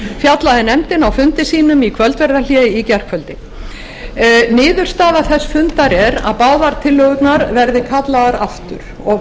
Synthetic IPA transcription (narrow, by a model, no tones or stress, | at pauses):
fjat̪laðɪnɛmt̪ɪnawfʏnt̪ɪsiːnʏmikʰvœlt̪vɛɾðaljɛicɛr̥kʰvœlt̪ɪ | nɪːðʏr̥st̪aːðaθɛsːfʏnt̪aɾɛɾa̰ðpaːwðaɾt̪ʰɪlːœɣʏp̪naɾvɛɾðɪkʰat̪laɣaɾaft̪ʏ̰ɾ̥ | ɔ